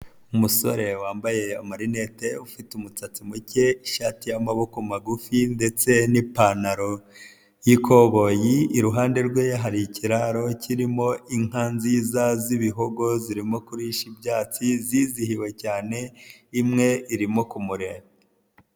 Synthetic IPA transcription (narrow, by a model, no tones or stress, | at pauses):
umuso̞̰ɾe̞waːmbaje̞amaɾine̞teufitumut͡sat͡simuce̞iʃaːtijamaβo̞komaɡufinde̞t͡se̞nipanaɾo̞ | jikʰo̞βo̞jiːɾuɦaːnde̞ɾɡwejaɦaɾiciɾaɾo̞cʰiɾimo̞iŋaːnziːzaziβiɦoɡo̞ziɾimo̞kuɾiʃibjaːt͡siziːzihiwe̞caːne̞imŋe̞iɾimo̞kumuɾe